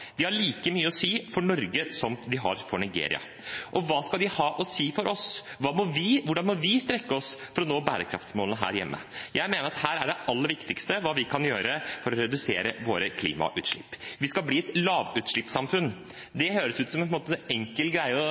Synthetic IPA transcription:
d̪ɪhɑɭiːkəmyːəɔsiːfɔɳɔɾɡəsɔmd̪ɪɦɑ̰ɾfɔɳɪɡḛːɾɪ̰ɑ̰ | ʔɔʋɑːskɑld̪ɪhɑːʔɔsiːfɔɾʔɔs | ʋɑːmɔʋɪʋʊɖɑnmɔʋɪst̪ɾɛkːəɔsfɔɾɔnoːbæːɾəkʰɾɑ̰ft̪smoːlnəɦæ̰ːɾjɛ̰mːʔə̰jæɪmeːnəɾɑt̪hæːɾæɖɛʔɑlːəɾʋɪkt̪ɪkst̪əʋɑːʋɪkʰɑnjøːɾəfɔɾɔɾɛd̪ʉseːɾəʋoːɾəkʰlḭːmɑ̰ʔʉːt̪ʂɭɪpːʋɪskɑlbliːɛt̪lɑːʋʉːt̪ʂɭɪpsɑmfʉn | d̪ɛhøːɾəsʉːt̪sɔmɛnpʰɔnmoːt̪ɛŋkəlɡɾæɪəɔ

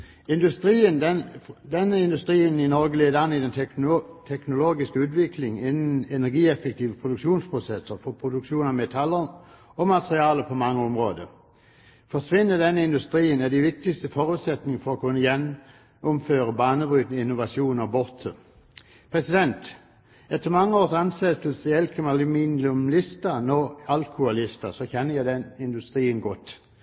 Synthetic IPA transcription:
ɪnd̪ʉst̪iːənd̪ɛd̪ɛnːəɪnd̪ʉst̪ʁiːənɪnɔʁɡəleːd̪əɑnːɪd̪ɛnt̪ʰɛknʊloːɡɪskəʉːt̪̬ʋɪkʰlɪŋɪnn̩ɛnæʁɡiːɛfək̚t̪ʰiːʋəpʰʁʊd̪ʉkʂuːnspʰʁʊsɛsəʁfɔpʰʁʊd̪ʉkʂuːnɑmɛt̪ʰɑlːə | ɔmɑt̪ʁɪɑːləpʰɔmɑŋːəɔmʁoːd̪ə | fɔʂʋɪnːəd̪ɛnːəɪnd̪ʉst̪ʁiːənæd̪æʋɪk̚t̪ɪkst̪əfɔʁʉːt̪sɛt̪nɪŋəfɔʁɔkʰʉnːəjɛnː | ʊmføːʁəbɑːnəbʁyːt̪nəɪnːʊʋɑʃuːnɔbɔʁt̪ʰə | pʰʁɛsɪd̪ɛnt̪ | ɛt̪ʰːəʁmɑŋːəoːʁsɑnsɛt̪əlsəɛlkʰəmɑlɪminlʊmlɪst̪ənɔɑlkʰʊɑlɪst̪əsɔçɛnːəjæɪd̪ɛnɪnd̪ʉst̪ʁiːənɡɔt̪

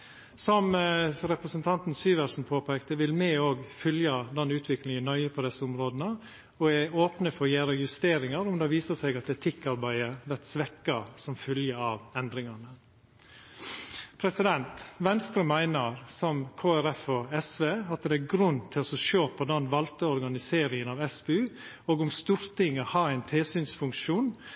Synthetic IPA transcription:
sɔmɾɛpɾəsənt̪ʰɑnt̪nsyːʋæɾsn̩pʰoːpʰæːkt̪əʋɪlmɛoːɡfʏljɑd̪ɛnʉːt̪ʰʋɪklɪŋənœʏəpʰɔd̪ɛsːəʊmɾoːd̪ənə | ɔæoːpnəfɔɾjeːɾəjʉst̪eːɾɪŋɑɾʊmd̪ɑːʋiːsəsɛɡɑt̪̚d̪ɛːt̪ʰɪkːɑɾbæɪəʋɛɾt̪sʋɛkːɑsɔmfʏljəɑʋɛnd̪ɾɪŋɑnə | pʰɾɛsɪd̪ɛnt̪ʋɛnst̪ɾəmæɪnəɾsɔmkʰoːæɾɛfɔɛsʋeːɑt̪d̪ɛːɡɾʉnːt̪ʰɪlsɔʃøːpʰɔd̪ɛnʋɑlt̪əɔɾɡɑnɪseːɾɪŋənɑːʋɛsbɛʉː | oːɡʊmst̪uːɾt̪ʰɪŋːəhɑːæɪnt̪ʰeːsyːnsfʉŋkʃuːn

